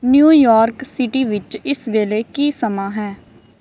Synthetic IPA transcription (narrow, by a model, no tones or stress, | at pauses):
njuːjɔːɾksɪʈiːʋɪt͡ʃɪsʋeːleːkiːsəmãːɦɛː